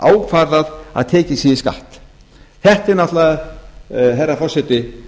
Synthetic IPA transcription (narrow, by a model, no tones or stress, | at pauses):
a̰ːwkfaɾðaða̰ðt̪ʰɛːcɪsiːðɪska̰ht̪ | θɛht̪ɛɾnat̪la | ɦɛjrːafɔr̥sɛt̪ɪ